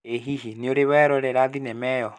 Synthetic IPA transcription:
eɦiɦineoɾeβɛɾɔɾɛɾaðinɛmɛjɔ

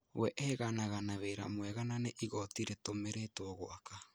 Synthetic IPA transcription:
wɛʔɛɣanaɣanaβeɾa̰mwɛɣananeʔiɣɔtiɾetomeɾetoɔɣoʔaka

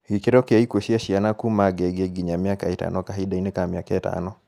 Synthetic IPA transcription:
ɡikeɾɔkɛaikoʃiaʃianakumaɡɛɡeɡiɲamiakaeta̰nɔkaɦiɗainekamiakaeta̰nɔ

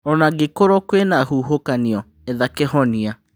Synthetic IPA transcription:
ɔnaɡekoɾɔkwenahuɦokaniɔ | eðakehɔnia

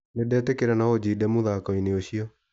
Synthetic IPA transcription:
nedɛːtekeɾanaod͡ʑidɛmuðaːkɔineoɕiɔ

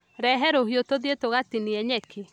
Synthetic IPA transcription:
ɾɛɦɛɾoɦjotoðetoɣatiniɛɲɛkʰe

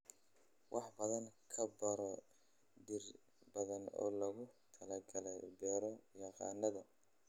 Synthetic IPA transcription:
wʔɑħbɐðɐŋkʰɐbɐɾɔ | d̪ɪr | bɐðɐnɔ̰ːlɐɣʊt̪ʰɐlɐɡɐlɛjbɛːɾɔjɑqɑ̰ːnːɐðɐ

